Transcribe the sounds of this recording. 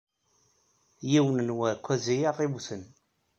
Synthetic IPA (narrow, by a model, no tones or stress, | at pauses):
jiwənənwækʷːæzijaʁibuθən